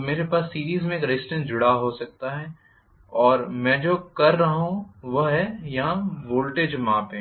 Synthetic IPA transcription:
meːɾepaːsːiːɾiːzmẽeːkɾesʈə̃nd͡ʒʊɽaɦosɐk̚t̪aɦɛː | ɔːɾmɛ̃ːd͡ʒoːkɐɾːɐɦɦũʋɐɦɛjɐɦãʋoːlʈeːd͡ʒmãːpɦɛ̃

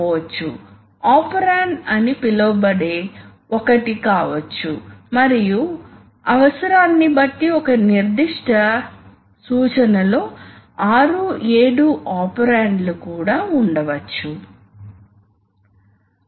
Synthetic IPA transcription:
ʋɐt͡ʃːṵ | aːpɐɾaːɳɖɐnipilɐbɐɽe̞ː | ɔkɐʈikaːʋɐt͡ʃːumɐɾiju | ɐʋɐsɐɾaːnːibɐʈːiɔkɐniɾd̪iʂʈɐ | suːt͡ʃɐnɐlo̞ːaːɾue̞ːɽuʔaːpɐɾaːɳɖlukuːɽaːuɳɖɐʋɐt͡ʃːu

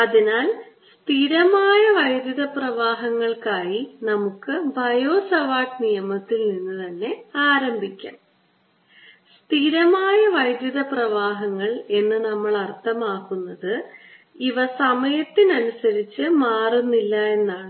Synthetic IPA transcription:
ɐðinaːl | st̪ʰiɾɐmaːjɐʋɐjd̪jɐðɐprɐʋaːɦɐŋːɐɭkaːjinɐmukːɨbʱɐjo̞ːsɐʋaːʈnijɐmɐt̪ːilninːɨt̪ɐnːe̞aːɾɐmbʱikʲːa̰ːm | st̪ʰiɾɐmaːjɐʋɐjd̪jɐðɐprɐʋaːɦɐŋːɐɭe̞nːɨnɐmːɐɭɐrt̪ʰːɐmaːkːunːɐðɨ | iʋɐsɐmɐjɐt̪ːinɐnusɐɾit͡ɕːɨmaːrunːilːɐe̞nːaːɳɨ

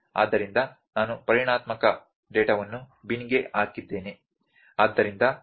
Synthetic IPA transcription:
a̰ːd̪ːɐɾind̪ɐ | naːnupɐɾiɳaːt̪mɐkɐ | ɖeːʈɐʋɐnːu | biniɡeʔaːkid̪ːe̞ːne | aːd̪ːɐɾind̪ɐ

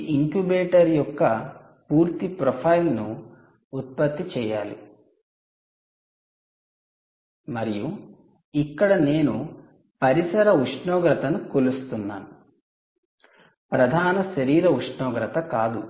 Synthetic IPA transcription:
iŋkjubeːʈɐɾjɔkːɐ | puːɾt̪ipɾopʰɐjlnuː | t̪̚pɐt̪ːit͡ʃɛːjaːlḭ | mɐɾiju | ikːɐɽɐne̞ːnu | pɐɾisɐɾɐuʂɳɔːɡɾɐt̪ɐnukolust̪unːa̰ːnu | pɾɐd̪ʱaːnɐʃɐɾiːɾɐuʂɳɔːɡɾɐt̪ɐkaːd̪u

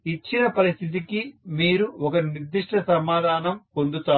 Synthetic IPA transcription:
it͡ʃːinɐpɐɾist̪ʰit̪̬ikimiːɾuɔkɐniɾd̪ːiʂʈʰɐsɐmaːd̪ʱaːnɐmkond̪ut̪aː

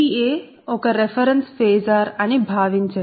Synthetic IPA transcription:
ie | okəɾefəɾənsfezaɾanibʱaːʋint͡ʃə

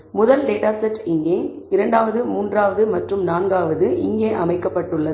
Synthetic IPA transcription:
mʊðɐlɖeːʈaːsɐʈːɪŋɡeː | ɪɾɐɳɖaːʋɐðɯmuːndraːʋɐðɯmɐʈrɯmnaːnɡaːʋɐðɯʔɪŋɡeːʔɐmɐɪkːɐpːɐʈːɯɭːɐ

